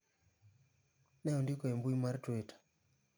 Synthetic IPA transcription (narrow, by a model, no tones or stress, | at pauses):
nɛɔndɪkɔɛmbuimartwetḁ